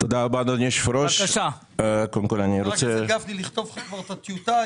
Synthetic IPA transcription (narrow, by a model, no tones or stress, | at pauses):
t̪od̪aːlbanonieʃfɾoʃʃa | kod̪emkolaniɾot͡seɡafniliχt̪ovakvaʁt̪at̪jut̪a